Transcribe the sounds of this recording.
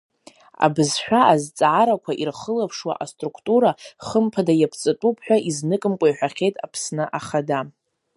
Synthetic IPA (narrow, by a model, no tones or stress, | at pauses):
a̰bɨzʃᶣaazt͡sʼʕaɾakʷʰaʔirχəlapʰʂwa̰ʔastʼrukʰtʼuɾaχəmpʰadajapʰt͡sʼɨtʼupʰħᶣʷaiznɨkʼɨmkʷʼajħʷᶣaχʲe̞jtʼapʰsnɨʔaχada